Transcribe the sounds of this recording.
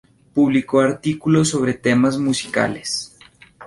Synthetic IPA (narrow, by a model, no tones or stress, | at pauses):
puβlikoaɾt̪ikulo̞so̞β̞ɾe̞t̪e̞mazmusi̥ka̰les